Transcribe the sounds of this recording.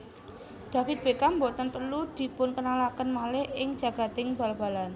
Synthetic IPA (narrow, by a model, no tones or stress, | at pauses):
d̪̥ä̤fɪt̪̚b̥ekambot̪ənpərlud̪̥i̤pʊnkənalakənmalɪhɪŋ̥d͡ʒ̥ä̤ɡ̥a̤t̪ɪŋba̤lb̥a̤lan